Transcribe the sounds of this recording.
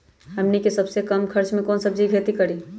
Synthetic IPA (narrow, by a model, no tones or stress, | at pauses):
ɦəmnikesəbsekəmkʰəɾt͡ʃmẽkɔːnsəb̚d͡ʒiɡʱet̪ikəɾi